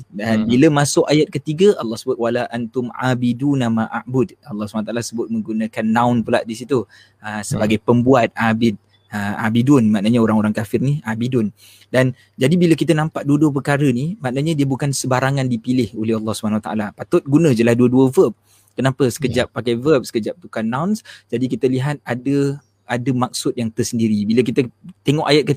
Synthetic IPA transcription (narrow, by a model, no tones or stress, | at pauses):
dabiləmasʊkajat̪̚kət̪iɡəʔɑlːɑhsəbʊt̪̚walaʔant̪ʊma̰bidunamaʔa̰ʔbʊd̚ɑlːɑhsubanwt̪alasəbʊt̪̚mə̃ŋɡunəkanːãʊnpula̰ʔdisit̪u | əsəbaɡajpəmbuat̪̚abɪd̪̚ | əma̰bidʊnmaʔnaɲaoɾaŋoɾaŋkafɪrniabidʊn | dan | d͡ʒadibiləkit̪ənampaʔ̚duəduəp̬ərkaɾənimaʔnəɲədiəbukansəbaɾaŋandipilɪholɛhɑlˠːɑhsubanawat̪aʔa̰lapat̪ʊt̪̚ɡunə̃d͡ʒəlahduəduəvəp̚ | kənapəsə̥kəd͡ʒapːakajvəp̚sə̥kəd͡ʒap̚t̪ukanːãwnsd͡ʒadikit̪əliɦat̪̚adə | adəmak̚sʊt̪̚jaŋt̪ərsəndiɾibilək̬it̪ət̪eŋɔʔajat̪̚kə